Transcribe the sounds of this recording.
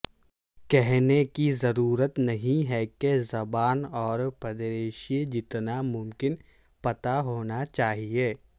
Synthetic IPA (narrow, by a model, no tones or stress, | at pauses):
kɛɦnekizɐɾuːɾət̪nɐɦĩɦɛkezɐbaːnɔːɾpɐd̪ɾeːʃed͡ʒɪt̪namʊ̃mkɪn | pɐt̪aɦoːnat͡ʃaːɦieː